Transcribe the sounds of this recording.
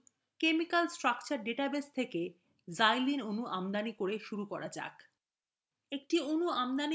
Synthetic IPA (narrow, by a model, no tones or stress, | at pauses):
kemikalsʈɾakt͡ɕaɾɖeʈabest̪ʰeke | zajlinonuʔamd̪anikoɾeʃuɾukɔɾad͡ʑa̰k | ek̚ʈionuamd̪ani